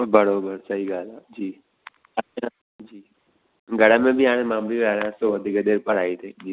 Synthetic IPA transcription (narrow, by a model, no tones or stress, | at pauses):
bɐɽobɐɽsɐɦiɡaːlad͡ʒiː | ɐt͡ʃa | d͡ʒiː | ɡɐɽamẽbʱiãːɽ̃ẽmaːmliʋaːɾasod̪iɡəd̪eːɾpɐɽaːit̪ʰeːd͡ʒiː